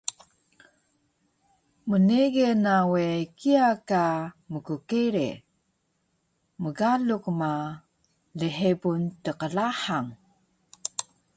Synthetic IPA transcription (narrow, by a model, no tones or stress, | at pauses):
məneɣenawekiakaməkukiɾḛ | məɡalukma | ləħebuntəqəlaħaŋ